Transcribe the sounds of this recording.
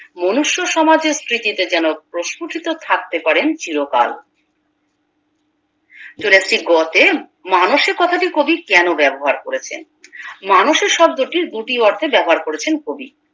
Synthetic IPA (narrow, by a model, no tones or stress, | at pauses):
monuʃːoʃɔmad͡ʑeɾsɾit̪it̪ed͡ʑɛnopɾoʃkuʈʰit̪ot̪ʰak̚t̪epaɾent͡ɕiɾoka̰l | t͡ɕoleat͡ɕʰiɡɔt̪e | manoʃeɾkɔt̪ʰaʈikobikɛnobɛboɦaɾkoɾet͡ɕʰḛn | manoʃeɾʃɔb̚d̪oʈiɾd̪uʈiɔɾt̪ʰebɛboɦaɾkoɾet͡ɕʰenkobḭ